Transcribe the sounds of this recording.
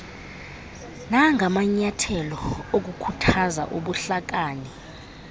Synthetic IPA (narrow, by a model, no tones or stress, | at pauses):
naŋʱamaɲatʰɛlɔok̬ukʰutʰaza̰ʔuɓuɬak̬aːni